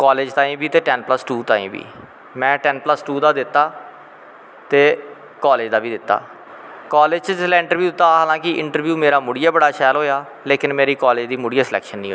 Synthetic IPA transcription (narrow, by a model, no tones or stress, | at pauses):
kaːleːd͡ʒt̪ãːĩːbiːt̪eːʈɛːnpləsʈuːt̪ãːḭ̃ːbḭː | mɛ̃ːʈɛːnpləsʈuːd̪aːd̪ɪt̪ːaː | t̪eː | kɔːleːd͡ʒd̪aːbiːd̪ɪt̪ːa̰ː | kaːleːd͡ʒt͡ʃəd͡ʒɪslaːɪ̃ɳʈəɾʋjuːd̪ɪt̪ːaːɦaːlãːkɪʔɪɳʈəɾʋjuːmeːɾaːmʊɽɪjaːbəɽaːʃɛːlɦoːjaː | leːkɪnmeːɾiːkɔːleːd͡ʒd̪iːmʊɽijaːslɛ̰ːkʃənːĩːɦo